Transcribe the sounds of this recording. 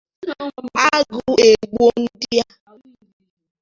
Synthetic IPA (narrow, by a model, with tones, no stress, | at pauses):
a˦ɡu˨e˨ɡ͡bo˦n̩˦dɪ˦ja˦